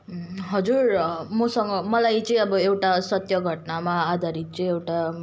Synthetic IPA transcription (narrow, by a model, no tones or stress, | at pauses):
ɦʌd͡zurmʌsʌŋɡʌmʌlajt͡sʌĩʌbʌewʈasʌt̪jʌɡʱʌʈnamaːd̪ʱaɾit̪̚t͡sʌĩewʈa